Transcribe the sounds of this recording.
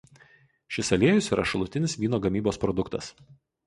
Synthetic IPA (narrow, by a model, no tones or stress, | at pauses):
ʃʲɪsɐlʲiɛjʊsiːɾɐ̰ʃɐlˠʊt̪ʲɪnʲɪsʋʲiːnoːɡɐmʲiːboːspɾɔd̪ʊkt̪ɐ̰s